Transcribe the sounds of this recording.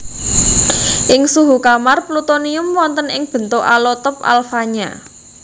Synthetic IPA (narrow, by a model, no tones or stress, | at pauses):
ʔɪŋsuɦukamarplut̪oniʊmwɔnt̪ənɪŋb̥ə̤nt̪oʔa̰lɔt̪ɔpa̰lfaɲa̰